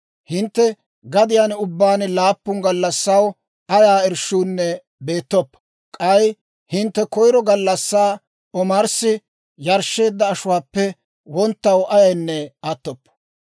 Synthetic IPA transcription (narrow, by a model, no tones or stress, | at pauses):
hɪnt̪ːɛ | ɡɐd̪ɪjanʊbːaːnlaːpːʊŋɡɐlːɐsːɐw | ɐjaːɛɾʃuːnːɛ | be̞ːt̪ːɔpːɐ̥ | kʼɐj | hɪnt̪ːɛkɔjɾɔɡɐlːɐsːaː | ɔmaɾsɪ | jɐɾʃːe̞ːd̪ːɐːʃʊwaːpːɛ | wɔnt̪ːɐwʔɐjɐjnːɛat̪ːɔpːɐ̥